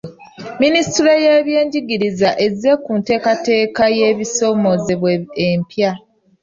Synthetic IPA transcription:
ministiɾoje̞ːβje̞ːɲɟiɡiɾizaʔe̞ze̞kunte̞ːkate̞ːkaje̞ːβiso̞mo̞zeβweempja

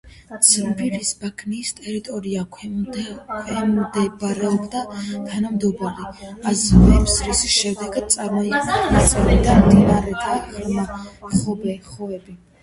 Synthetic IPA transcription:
t̪sʰibɾiɾisbakʰniːst̪ʼɛɾit̪ʼɔɾiakʰ | kʰwɛmd̪ɛbaɾɛɔbd̪at̪ʰanamd̪ɔbaɾiasɛvɛmsɾisiʃɛmd̪ɛɡad̪̥̚tsʼaɾmɔik̪ʼɛat̪sʼɛɾid̪amt̪ʼinaɾɛd̪aʁɾmaχɔbɛχɔɛbi

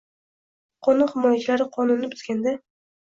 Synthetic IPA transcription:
qʰɒnʊnhɪmɒjat͡ʃʰɪlaɾɪqʰɒnunːɪbʊzɡʲand̪a

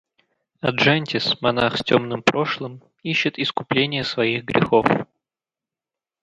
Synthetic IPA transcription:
ɐdʐɛnʲtʲɪsmɐnaxstʲo̞mnɨmpɾo̞ʂlˠəm | iɕːɪt̪ɪskʊplʲenʲɪjəsvɐiɣɡɾʲʔɪ̰xo̞f

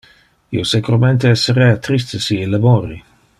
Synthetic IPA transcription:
ḭosekuɾament̪eɛsːeɾɛat̪ɾist̪esiilamoːɾi

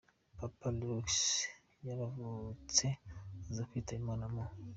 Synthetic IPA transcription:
papalɾuks | jaɾavut͡sezaɸitaimanamo

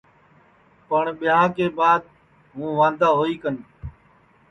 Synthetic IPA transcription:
pəɳɓɪɦãːkeːbaːd̪̚ | ɦũːʋãːnd̪aːɦoːiːkən

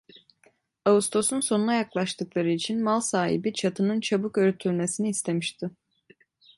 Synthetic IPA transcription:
aust̪ʰo̞sunso̞nunajaklˠaʃt̪ʰɯklˠaɾɯit͡ʃʰinmalˠsaːhḭbit͡ʃʰat̪ʰɯnɯnt͡ʃʰabukøɾyt̪ʰylʲme̞siniːst̪ʰe̞miʃt̪ʰɪ

